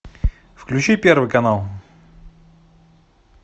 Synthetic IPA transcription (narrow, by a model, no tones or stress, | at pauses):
fklʲʉt͡ɕipʲervɨjkɐnalˠ